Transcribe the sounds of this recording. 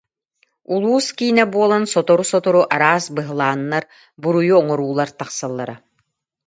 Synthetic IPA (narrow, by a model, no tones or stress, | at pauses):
ulˠuːskiːnɛbuɔlˠansɔt̪ɔɾusɔt̪ɔɾuʔaɾaːsbɯɦɯlˠaːnːaɾ | buɾujuɔŋɔɾuːlˠaɾt̪aχsalˠːaɾa